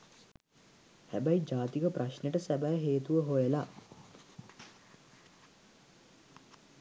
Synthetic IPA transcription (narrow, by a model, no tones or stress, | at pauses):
hæbæjd͡ʒaːt̪ikəpraʃneʈəsæbæjəɦeːt̪uʋəɦojela